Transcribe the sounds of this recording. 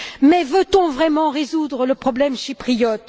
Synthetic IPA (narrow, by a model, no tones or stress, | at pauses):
mɛvøt̪ɔ̃vʁɛmɑ̃ʁezud̪ʁələpχɔblɛmʃipχijɔt̪